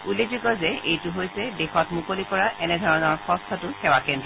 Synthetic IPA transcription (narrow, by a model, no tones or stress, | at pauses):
ulezuɡɔzɛejtʊɦojsɛdɛxɔtmukolikɔɹaʔɛnɛdʱɔɹɔnɔɹxɔstʰɔtʊxɛwakɛndɹɔ